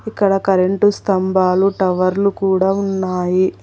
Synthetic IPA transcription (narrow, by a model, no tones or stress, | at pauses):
ikːɐɽɐkɐɾeɳʈust̪ɐmbaːluʈɐʋɐɾlukuːɽaːunːaːji